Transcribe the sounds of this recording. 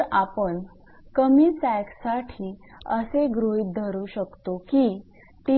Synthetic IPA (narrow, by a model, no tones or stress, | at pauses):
apəɳ | kəmiːt͡sɛksaʈʰiːə̰seɡɾoit̪̚d̪ʱəɾuːɕəkt̪oki | t̪i